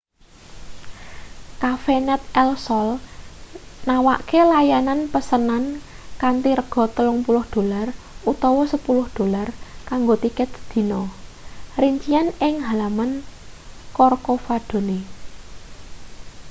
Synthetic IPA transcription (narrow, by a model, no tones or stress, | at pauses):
kafenɛt̪̚ɛlsɔl | nawa̰ʔkelajananpəsənan | kant̪iɾəɡ̥ɔ̤t̪əlʊŋpulʊhd̪̥o̤lar | ut̪ɔwɔsəpulʊhd̪̥o̤larkaŋɡot̪ikɪt̪̚d̪̥i̤nɔ | riɲt͡ʃianɪŋɦalamən | kɔrkofad̪̥o̤ne